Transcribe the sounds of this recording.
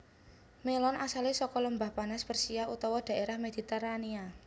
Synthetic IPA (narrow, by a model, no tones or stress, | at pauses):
melɔnasalesɔkɔləmbahpanaspərsiaut̪ɔwɔd̪̥a̤ʔeɾahmed̪̥i̤t̪erania